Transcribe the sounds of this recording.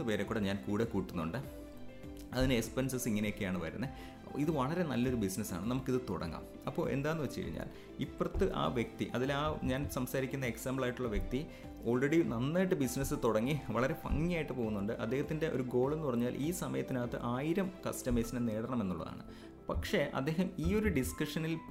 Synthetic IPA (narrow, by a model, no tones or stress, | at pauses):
pe̞ːɾekːuɽɐɲaːnkuːɽekːuːʈːunːuɳɖɨ | ɐðinɨespensɐsiŋːɐnejo̞kːe̞jaːɳɨpɐɾɐɾunːɐ | iðɨʋɐɭɐɾe̞nɐlːo̞ɾubisnɐsa̰ːɳɨnɐmukːiðɨt̪o̰ɽɐ̰ŋːa̰m | ɐpːo̞̰ːe̞̰nd̪aːnːuʋet͡ɕːɨkɐ̰ɻḭɲːa̰ːl | ipːrɐt̪ːɨʔa̰ːʋjek̚t̪iʔɐðilaːɲaːnsɐmsaːɾikʲːunːɐeksaːmbɭaːjiʈːuɭːɐʋjek̚t̪i | o̞ːɭreɽinɐnːaːjiʈːɨbisinɐsɨt̪oɽɐŋːiʋɐɭɐɾe̞pɐ̰ŋːijaːjiʈːɨpo̞ːɣunːuɳɖɨʔɐd̪ːehɐt̪ːinde̞ʔo̞̰ɾuɡo̞ːɭe̞nːupɐrɐɲːaːlʔiːsɐmɐjɐt̪ːinaːt̪ːɨ̰ʔaːjiɾɐmkɐ̰stɐmeːsnɐneːɽɐɳɐme̞nːuɭːɐ̰ða̰ːɳɨ̰ | pɐkʂe̞ʔɐ̰d̪ːe̞ːɦɐmiːo̞ɾuɖiskɐʂɐnil